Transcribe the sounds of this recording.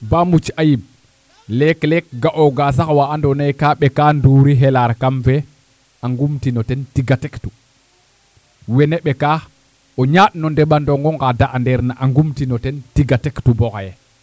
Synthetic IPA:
bamut͡ʃajim | lɛklɛk̚ɡaʔɔɡas̬akwaandɔnajkaɓɛkanduɾiɦɛlaɾkamfɛ | ʔaŋɡumtinɔtɛntiɡatɛktu | wɛnɛɓɛka | ɔɲaɗnɔndɛɓandɔŋɡɔŋɡadaʔandɛɾnaʔaŋɡumtinɔtɛntiɡatɛktubɔkajɛ

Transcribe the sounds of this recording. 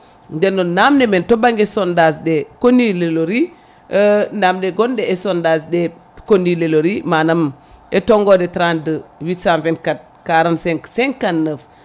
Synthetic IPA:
ndɛnːonamnementobaŋɡesondasdekonileloɾi | namdeɡondeːsondasde | konileloɾimanam | etoŋɡodetɾandəwitsãnvɛnkat̚ | kaɾansɛŋksɛŋkanːəf

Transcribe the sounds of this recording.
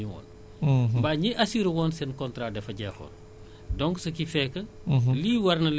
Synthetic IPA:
iŋɔ̰ːn | mbaːɲiʔɐsiɾɐwɔːnsɛnkɔntɾaːdɛfɐɟɛːxɔ̰ːn | dɔŋɡsɐkifɛːkːɐ | liːwɐrnɐl

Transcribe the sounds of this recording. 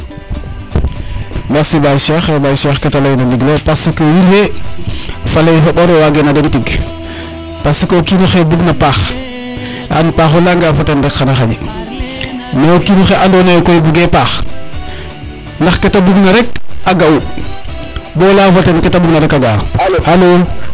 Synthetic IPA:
masibajʃaxebajʃaxkatalajnaliɡlopasikowilwe | falajɦoboɾowaɡenadentiɡ | pasikokinuxebuɡnapaːx | a̰npaxolaŋɡaːvatanɾekxanaxad͡ʒi | neokinuxeʔandonajkojbuɡepax | laxketabuɡnaɾek̚aɡau | bolavatanketabuɡnaɾekaɡaalo

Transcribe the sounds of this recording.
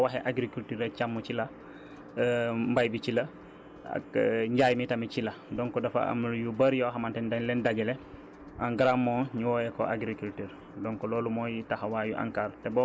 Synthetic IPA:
waɦeʔaɡɾikultiɾet͡ʃamːut͡ʃila | mbajbit͡ʃila | a̰kɲɟaːjmitamit͡ʃiladɔŋkɔdafa̰a̰mjubaɾjoɦamantɛndanlɛndaɡɛle | ʔaŋɡɾamːoːɲuwɔːjeko̰ʔaɡɾikultiɾ | dɔŋkɔloːlumojitahawaːjuʔa̰ŋkaːɾtebɔ

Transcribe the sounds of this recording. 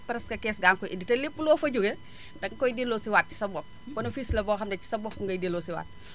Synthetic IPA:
pɾɛskɐkɛːsɡaːŋkɔʔiditɐlepːulɔːfɐɟuɡe | dɐŋkɔjdilːɔːsiwat̚ci̥sɐbɔk̚ | kɔnɐfiːsilɐbɔːxɐmdɐci̥sɐbɔkːuŋɡɐjdelːɔːsiwa̰ːt̚

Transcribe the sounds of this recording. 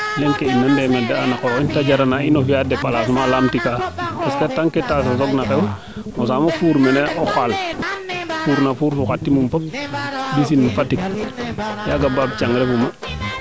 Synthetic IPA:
leŋkeinːandemedaanakointaɟaɾanainofijadepalasumalaːmtikapasketaŋketasasoɡnakeu | mosaːmofuːɾmeneʔoxal | fuːɾnafuːɾfuxʷatːimumfop̚bis̬inmfatik̚ | jaɡababt͡ʃaŋɡɾefuma

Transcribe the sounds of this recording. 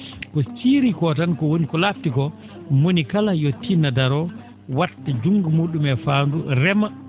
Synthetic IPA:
kɔsiɾikɔtankɔwonikɔlaftikɔ | monikalajotʰːinadaɾɔ | watːad͡ʒuŋɡumuːɗumɛfaːnduɾɛma

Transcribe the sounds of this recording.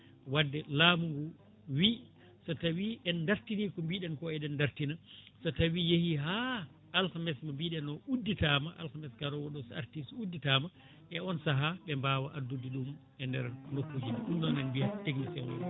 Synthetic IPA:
wadːɛlamuŋɡu | wi | satawiʔɛndaɾtinikɔmbiɗɛnkɔɛɗɛndaɾtinasatawijehiɦaː | lkamɛsmambiɗɛnɔʔudːitamaʔa̰lkamɛskaɾɔwɔɗɔsa̰ɾtisudːitaːma | ʔɛɔnsaɦaɓɛmbaːwaʔadudiɗum | ɛndɛɾnokːud͡ʒiniɗumɗɔnanbijateɡnisɛwɔ̰

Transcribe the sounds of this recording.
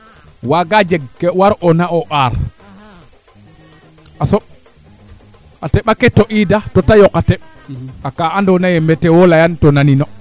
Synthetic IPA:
waɡad͡ʒɛɡkɛwaɾʔɔnaɔʔaɾ | ʔasɔ | ʔatɛɓakɛtːɔʔidatɔtajɔkatɛɓ | akaandɔnajɛmbɛtɛwɔlajantɔnaninɔ

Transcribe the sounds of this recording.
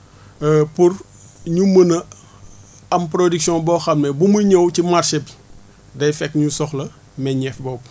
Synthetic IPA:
pur | ɲumənɐ | ɐmpɾodiksjɔ̃bɔːxɐmnɛbumuɲəwcimarsip | dɐjfɛkːɲusɔxlɐ | mɛɲɛfbɔp̚

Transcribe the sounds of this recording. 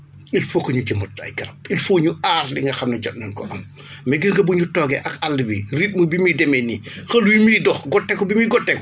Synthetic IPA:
ilfokːɐɲud͡ʒɐmɔtːɐ̰jɡɐɾɐp̚ilfoːɲuʔaɾliŋɡɐxɐmnɐɟɔtnɐnkɔ̰ʔɐm | mɛɡiɾŋɡɐbuɲutɔːɡɛʔɐkalːibiɾit̚mubimidɛmɛnixɐlwimidɔxɡɔtːɛkɔbimiɡɔtːɛkɔ

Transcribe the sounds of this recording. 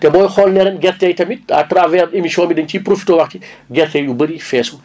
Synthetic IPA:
tɛbɔːjxɔlnɛɾɛnɡɛrtɛjtɐmit̚ɐtravɛremisiɔːnbidɐɲcipɾofi̥toːwɐxtiɡɛrtɛjjubəɾifɛːsu

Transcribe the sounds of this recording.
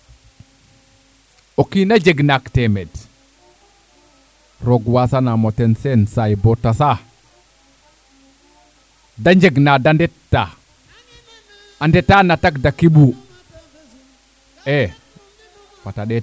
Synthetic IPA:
okinad͡ʒeɡnaktɛmɛd | ɾɔɡwasanamɔtɛnsɛnsajbɔtasa | daɲd͡ʒeɡnadandɛtːa | andɛtːanatakdakiɓu | ɛ | fataɗɛ

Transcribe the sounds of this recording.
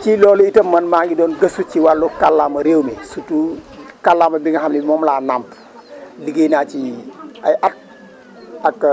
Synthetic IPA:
cilɔːlitɐmːɐnmaːŋɡidɔːnɡɐsut͡ʃiwalːɔkalːamɐɾeːwmɛsutukalːamɐbiŋɡɐɦamnimɔmlaːnamp | liɡenaːt͡ʃiajʔat̚ | akː

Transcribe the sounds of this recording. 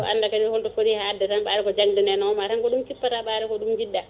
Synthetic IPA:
ɔa̰nːdakadihɔltɔfoɾihaːdːɛtanɓaːɾɛkɔd͡ʒaŋdunɛnɔmatankɔɗumkipːataɓaːɾɛkɔɗumd͡ʒidːa

